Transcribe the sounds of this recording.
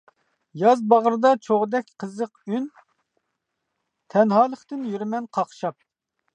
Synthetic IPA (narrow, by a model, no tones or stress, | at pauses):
jɑzbɑʁəɾd̪ɑt͡ʃʰoʁd̪ɛkʲqʰəzəqyn | t̪ʰɛnɦɑːlˠəχt̪ɪnjyɾmɛnqʰɑχʃɑp̚